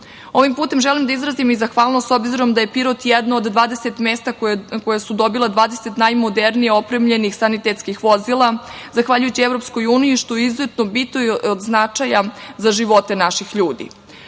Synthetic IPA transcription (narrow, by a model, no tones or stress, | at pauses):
o̞ʋimpuːt̪e̞mʒelimd̪aizɾazimizaxʋaːlˠnoso̞bziɾo̞md̪aje̞piɾot̪jɛd̪nood̪ːʋaːd̪e̞set̪meːst̪akojasud̪o̞bilˠad̪ʋaːd̪e̞set̪najmo̞d̪eɾnijeo̞pɾemʎe̞nixsanit̪et̪skixʋo̞zilˠazaxʋaʎujut͡ɕievɾo̞psko̞juːnijiʃt̪ojizoet̪nobit̪ood̪znat͡ʂajazaʒiʋo̞t̪e̞naʃixʎuːd̪ḭ